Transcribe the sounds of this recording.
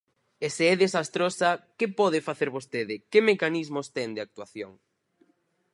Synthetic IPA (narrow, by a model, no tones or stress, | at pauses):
eseɛðesast̪ɾosɐkɪpɔðɪfaθeɾβost̪eðɪkɪmekanizmost̪ɛŋd̪ɪak̚t̪waθjoŋ